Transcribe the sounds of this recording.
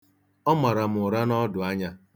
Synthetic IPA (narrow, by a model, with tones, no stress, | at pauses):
ɔ˦ma˨ɾa˨m̩˨ʊ˨ɾa˦nɔ˦dʊ˨a˦ɲa˦